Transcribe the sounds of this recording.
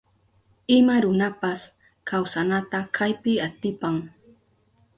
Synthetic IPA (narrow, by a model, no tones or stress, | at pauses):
ɪmaɾʊnapas | kawsanat̪akʰajpɪat̪ɪpaŋ